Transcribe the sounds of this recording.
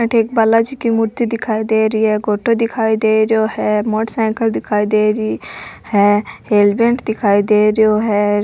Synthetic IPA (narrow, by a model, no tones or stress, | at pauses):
ʈeːkbalad͡ʒikimʊɾt̪id̪ɪkʰaːid̪eːɾiɦɛɡoːʈod̪ɪkʰaːid̪eːɾjohɛmoːʈsɛ̃ːkəld̪ɪkʰaːid̪eːɾihɛheːlbẽɳʈd̪ɪkʰaːid̪eːɾjoɦɛ